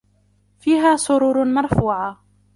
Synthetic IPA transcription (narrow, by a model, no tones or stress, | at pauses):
fiːɦaːsˤʊɾuːɾmɑɾˤfuːʕa